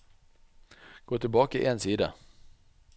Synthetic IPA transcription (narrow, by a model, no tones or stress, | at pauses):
ɡ̥oːt̪ʰɪlbɑːkaɪ̰ʔɛnsiːd̪a̰